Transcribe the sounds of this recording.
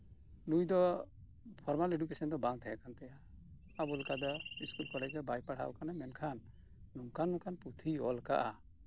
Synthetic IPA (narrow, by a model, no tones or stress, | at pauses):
nujd̪ɔ | pʰɔɾmaleɖukɛsɔnd̪ɔbaŋt̪ʰajakant̪ɛja | abɔlkad̪ɔiskulkɔɽad͡ʒd̪ɔbajpaɽha̰ʔɔ̰kanamɛnkʰanː | uŋkanːũkʰanput̪ʰiɔlka̰ʔa